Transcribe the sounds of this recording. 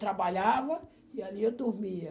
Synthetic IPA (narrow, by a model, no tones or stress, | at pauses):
t̪ɾabaʎavɐ | ialiewd̪uɾmiɐ